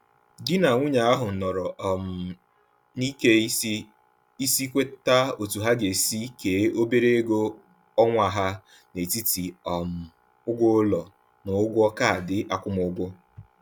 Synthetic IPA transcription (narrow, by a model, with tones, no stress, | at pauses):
dɪ˦na˨ŋʷʊ˦ɲa˨a˦ɦʊ˨n̩˨nɔ˨ɾɔ˨m̩˨ | ni˦ke˦ | i˦si˦kʷe˦ta˦o˨tu˨ɦa˦ɡe˨si˦ke˨˦o˦be˦ɾe˦e˦ɡo˦ | ɔ˦ŋʷa˨ɦa˦ | ne˨ti˦ti˨ɔ˨m̩˨ | ʊ˦ɡʷʊ˦ʊ˦lɔ˨ | nʊ˨ʊ˦ɡʷʊ˦ɔ˦ka˦a˨dɪ˦ʔa˦kʷʊ˦mʊ˨ʊ˦ɡʷʊ˦